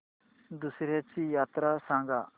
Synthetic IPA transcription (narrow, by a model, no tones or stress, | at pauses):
d̪usɾet͡ʃijat̪ɾasãŋɡa